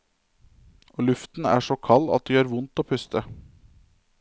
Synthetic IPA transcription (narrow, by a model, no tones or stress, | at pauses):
oːlʉft̪n̩æ̰ːʂoːkʰɑlɑ̰t̪̚d̪iːɑːɾʋʊnt̪oːpʰʉst̪ə